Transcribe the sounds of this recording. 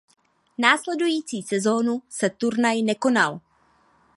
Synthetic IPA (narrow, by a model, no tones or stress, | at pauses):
naːslɛdujiːt͡siːsɛzo̞ːnusɛt̪uɾnajnɛko̞nal